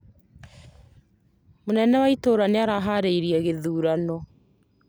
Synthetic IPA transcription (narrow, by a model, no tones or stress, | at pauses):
monɛnɛwaitoːɾaneaɾaɦaɾeiɾiɛɣeðuːɾanɔ